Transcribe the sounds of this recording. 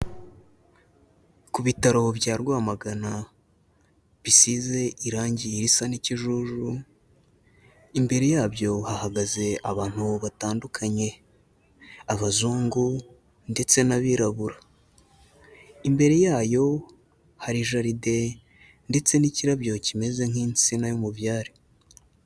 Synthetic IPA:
kuβitaɾo̞βjaːɾɡwaːmaɡana | βisize̞ʔiɾaːɲɟiɾisaniciʒuʒu | imbe̞ɾe̞jaːβjo̞hahaɡaze̞ʔaβaːn̥huβataːndukʰaɲe̞ | aβazuːŋɡu | nde̞t͡se̞naβiɾaβuɾa | imbe̞ɾe̞jaːjo̞ | haɾiʒaɾide̞ | nde̞t͡se̞niciɾaβjo̞cime̞ze̞ŋ̥hiːnt͡sinajomuvjaːɾi

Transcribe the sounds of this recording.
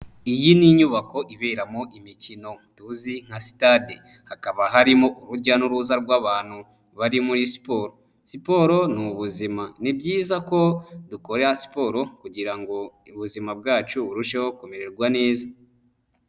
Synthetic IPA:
ijiniɲuβako̞ʔiβeːɾamoʔimicino̞duziŋ̥hasi̥tade | hakaβaɦaɾimoʔuɾuɟanuɾuzaɾɡwaːβaːn̥hu | βaɾimuɾisi̥po̞ɾo̞ | sipo̞ɾo̞nuβuzimanibɟiːzako̞duko̞ɾehasi̥po̞ːɾo̞kuɟiɾaŋɡo̞uβuzimabɡaːt͡ʃuβuɾuʃehokome̞ɾe̞ɾɡwane̞ːza

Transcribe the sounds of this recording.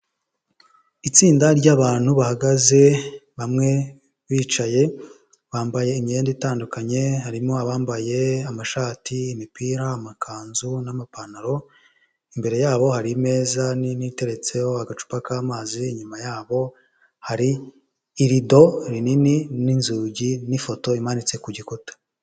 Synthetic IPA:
it͡siːndaɾɟaβaːn̥huβahaɡaze̞βamŋe̞ | βiːt͡ʃaje̞ | βaːmbaje̞imijeːnditaːndukaɲe̞haɾimo̞aβaːmbaje̞amaʃaːtʰiːmipiːɾaːmakʰaːnzunamapanaɾo̞ | imbe̞ɾe̞jaːβo̞haɾime̞ːzaninite̞ɾe̞t͡se̞joaɡat͡ʃu̥pakaːmaːziɲumajaːβo̞ | haɾiː | ɾido̞ɾininininzuːɟinifo̞to̞imanit͡se̞kuɟikutḁ

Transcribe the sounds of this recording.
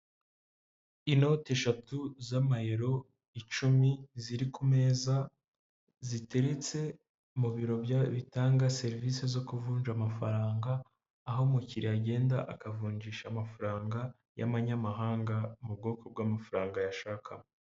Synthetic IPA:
ino̞te̞ʃatuzamahe̞ɾo̞ | it͡ʃumiziɾikume̞ːza | zite̞ɾe̞t͡se̞ | muβiɾo̞bjaβitaːŋɡase̞ɾivisezo̞kuvuːnd͡ʒamafa̰ɾaːŋɡaː | ɦo̞muciɾiaɟe̞ːnda̰ʔakavuːɲɟiːʃamafaɾaːŋɡa | ja̰maɲamaɦaːŋɡamub̚ɡo̞ːko̞b̚ɡamafaɾaːŋɡajaʃaːkʰam

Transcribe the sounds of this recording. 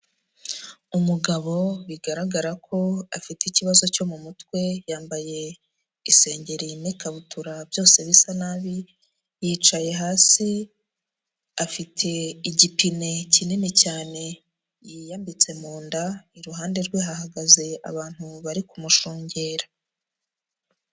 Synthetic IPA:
umuɡaβo̞βiɡaɾaɡaɾakʰo̞afiticiβazo̞co̞mumutwe̞jaːmbaje̞ | ise̞ːɲɟe̞ɾinikaβutʰuɾabjo̞ːse̞βisanaβi | jiːt͡ʃaje̞ɦaːsi | afitʰe̞iɟipine̞cinimicaːne̞ | jijambit͡se̞muːndaiɾuɦaːnde̞ɾɡweɦaɦaɡaze̞a̰βaːn̥huβaɾikumuʃuːɲɟe̞ːɾa

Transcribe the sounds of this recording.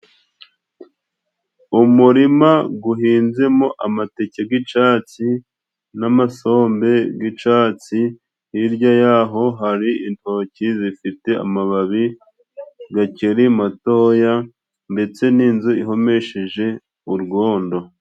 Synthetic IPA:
umuɾimaɡuɦiːnze̞moʔamateceɡit͡ʃaːt͡si | namaso̞ːmbe̞ɡit͡ʃaːt͡si | hiɾɟajaːɦo̞ɦaɾiintocizifite̞a̰maβaβi | ɡaceɾimato̞ja | nde̞t͡se̞niːnzuiɦo̞me̞ʃeʒe̞ | uɾɡo̞ːndo̞

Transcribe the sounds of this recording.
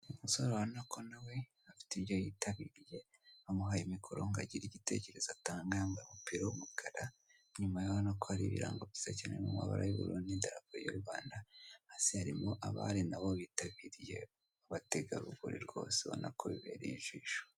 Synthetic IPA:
umuso̞ɾowanakʰo̞nawe̞hafi̥tiβjo̞jiːtaβiɾije̞ | hamuɦajimikʰoɾo̞ŋɡaɟiɾiɟite̞ce̞ɾe̞zataːŋɡaŋɡamupiɾawumuɡaɾa | ɲumajohanakohaɾiβḭɾaːŋɡoisecenemuma̰βa̰ɾa̰juβṵɾundindaɾakuɾijo̰ɾuɡaːndahasihaɾimo̞ʔaβa̰ɾinaβoβiːtaβiɾije̞̰ | aβateɡaɾuβuɾḭɾɡo̞̰ːseβao̰nakʰo̞βiβe̞̰ɾeiʒwiːʃo̥

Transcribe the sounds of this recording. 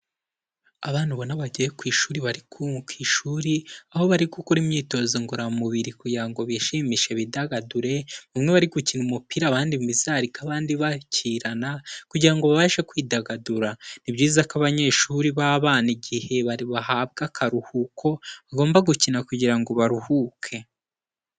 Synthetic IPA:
aβaːn̥huβo̞naβaɟiekwiːʃuːɾiβaɾikukwiːʃuːɾiaho̞βaɾikukuɾimɲiːto̞ziŋɡuɾamuβiɾikuɟiɾaŋɡo̞βiʃiːmiʃe̞βidaɡaduɾe̞βumŋe̞βaɾiɡucinumupiɾaːβaːndiizaɾikaβaːndiβaciɾanakuɟiɾaŋɡo̞βaβaːʃe̞kwiːdaɡaduɾanibɟiːzakaβaɲe̞ʃuːɾiβaβaːniɟihe̞βaiβahaːb̚ɡakʰaɾuhukʰo̞βaɡo̞ːmbaɡucinakuɟiɾaŋɡo̞βaɾuhukʰe̞

